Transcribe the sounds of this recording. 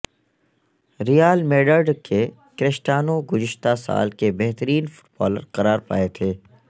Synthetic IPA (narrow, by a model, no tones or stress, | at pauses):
ɾijaːlmeːɖəɾɖkʰe | kɾɪʃʈaːnoɡʊzɪʃt̪asa̰ːlkebɛɦt̪əɾiːnfʊ̥ʈbɔ̰ːlə̰ɾqɐɾaːɾpa̰ːet̪ʰeː